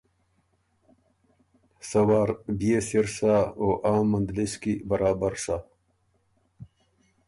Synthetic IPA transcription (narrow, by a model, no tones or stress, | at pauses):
sɐwaːɾbijesiɾsaoːʔaːmːɐnd̪liskibɐɾaːbəɾsa